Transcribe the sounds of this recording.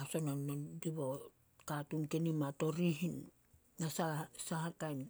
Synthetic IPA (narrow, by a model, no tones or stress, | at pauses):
asononːondiβo | katunkenimato̞ɾihin | ŋasasahakajn